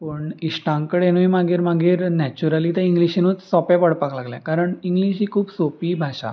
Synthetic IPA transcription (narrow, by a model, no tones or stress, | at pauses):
pəɳiɕʈãŋkəɽenuimaɡiːɾmaɡiːɾnɛt͡ɕuɾaliːt̪əiŋɡliɕinuːt͡ssɔpɛpəɽpaklaɡljɛ̃kaɾəɳiŋɡliɕiːkʰuːbsopiːbʱaɕa̰